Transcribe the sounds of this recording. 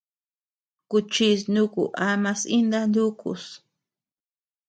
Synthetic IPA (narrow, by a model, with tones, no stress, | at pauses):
ku˧t͡ʃi˧s̬nũ˦kṵ˨ʔa˧mã˧si˦nd̪a˦˧nd̪u˦kṵ˧s